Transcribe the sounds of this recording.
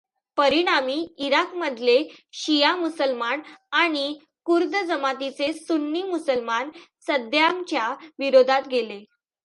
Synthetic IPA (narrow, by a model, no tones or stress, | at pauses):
pəɾiɽ̃amiːiɾakməd̪ʱleɕijamusəlmanaɽ̃i | kuɾd̪əd͡zəmat̪it͡sesunːiːmusəlmansəd̪ʱjamt͡ɕjaʋiɾod̪ʱat̪ɡʱele